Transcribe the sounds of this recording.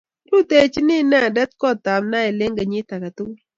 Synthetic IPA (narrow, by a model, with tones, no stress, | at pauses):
tu˦te˦˨t͡ʃi˦nɪ˦˨na˦a˨dɛ˦t̚kɔ˦˨ta˨mna˦e˨le˦ŋɡa˨ɲɪ˦ta˨ka˨tu˦